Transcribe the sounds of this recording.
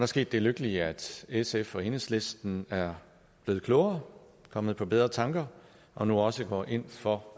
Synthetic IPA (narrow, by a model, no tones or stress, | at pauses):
d̥ɑɐsɡe̝̰ːd̥e̝løɡ̥əliəæd̥esefɒ̽henəsle̝sd̥n̩æɐ | b̥le̝ːð̩kʰloʊɐ | kʰɒ̽m̰ð̞̩ˠpʰɒ̽b̥eð̞ˠʁɐt͡sʰɑ̈ŋɡ̥ɐ | ʔɒ̽nuɒ̽səɡ̥ɒ̰ːʔe̝n̰fɒ̽